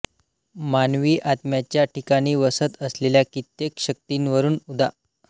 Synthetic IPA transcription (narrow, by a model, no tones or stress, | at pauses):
manʋiːʔat̪mjat͡ɕjaʈikaɽ̃iːʋəsət̪əsleljakit̪jekɕək̚t̪iːnʋəɾuːnud̪ʱa